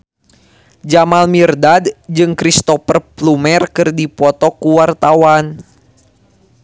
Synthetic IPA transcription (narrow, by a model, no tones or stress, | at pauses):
d͡ʒamalmirdadd͡ʒɨŋkɾist̪ɔfərplumɛrkɨrdipɔt̪ɔkuwart̪awan